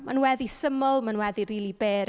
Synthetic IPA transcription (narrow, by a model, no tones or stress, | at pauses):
manwɛðisəmɔlˠmanwɛðiɾiːlˠibeːɾ